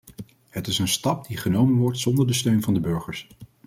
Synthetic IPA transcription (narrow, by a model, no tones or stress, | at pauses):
ɦətɪsənstɑp̚diχənowmənʋɔɹtsɔndəɹdəstøɥnvɑndəbɵɹχəɹs